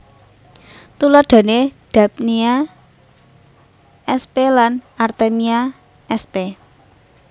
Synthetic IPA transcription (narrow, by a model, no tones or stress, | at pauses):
t̪ulɔɖ̪̥ä̤ned̥a̤p̚nia | ʔɛspelanart̪emia | ɛspe